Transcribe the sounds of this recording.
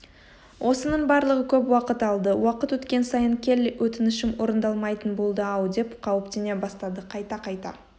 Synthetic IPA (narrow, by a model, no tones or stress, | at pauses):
wʔo̞sənəɴbɑɾlˠəʁəkʲʰɵpwɑqət̪ɑlˠd̪əwɑqət̪wɵt̪kʲe̞nsɑjəɴkʲʰe̞lwʔɵt̪ɪnɪʃɪmwo̞ɾənd̪ɑlˠmɑjt̪ənbolˠd̪əɑwd̪e̞pqʰɑwɪpt̪ene̞bɑst̪ɑd̪əqʰɑjt̪ɑqʰɑjt̪ɑ̰